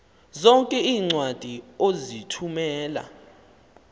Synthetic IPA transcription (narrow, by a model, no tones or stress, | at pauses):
zɔŋkʼɛiːŋ͡ǀwad̥ʱiozitʰumɛːla̰